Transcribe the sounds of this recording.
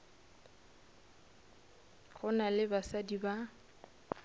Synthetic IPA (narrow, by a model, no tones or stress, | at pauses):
ɣʊnalɪbasadiba